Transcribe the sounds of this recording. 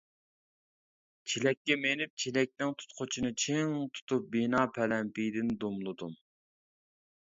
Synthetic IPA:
t͡ʃʰelɛkʲːɛmenɪp̚t͡ʃʰelɛk̚ʲnɪŋt̪ʰu̥t̪qʰot͡ʃʰinɨt͡ʃʰeŋt̪ʰu̥t̪up̚binɑːpʰɛlɛmpijd̪ɪnd̪umlˠɨd̪um

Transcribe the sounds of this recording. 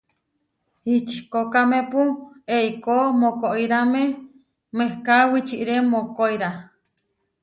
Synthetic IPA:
hit͡ʃi̥kokamẽpueikomokoʔiɾamẽ | mehkawit͡ʃiʔɾemokoiɾa

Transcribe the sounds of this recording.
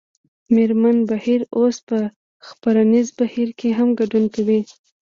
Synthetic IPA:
meɾmanbahiɾospə | xpaɾanizbahiɾkeɦamɡaɖunkawi

